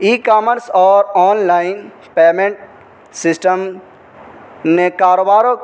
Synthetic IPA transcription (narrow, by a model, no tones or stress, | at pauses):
iːkaːməɾsɔːɾɔːnlaːɪn | peːmẽɳʈ̚ | sɪsʈəm | nekaːɾoːbaːɾo